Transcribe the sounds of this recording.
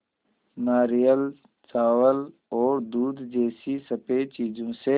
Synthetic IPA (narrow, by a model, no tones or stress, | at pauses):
naːɾijəl | t͡ʃaːwəl | ɔːɾd̪uːd̪d͡ʒeːsisɐpet͡ʃiːd͡ʒõse